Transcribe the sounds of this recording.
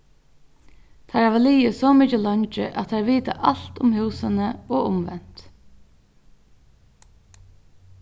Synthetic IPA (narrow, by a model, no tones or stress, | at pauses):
t̪ʰaɹæʋaliːɪsɔːmɪt͡ʃəlɔɲt͡ʃɪ̰ʔat̪ʰːaɹʋiːt̪a̰ʔal̥t̪ʊmhʉwsənəɔːʊmʋɛn̥t̪